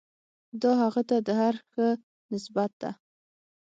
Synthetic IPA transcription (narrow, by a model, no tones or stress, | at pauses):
d̪ɑɦaɣat̪ad̪əɦaɾxə | nɪsbat̪̚d̪a̰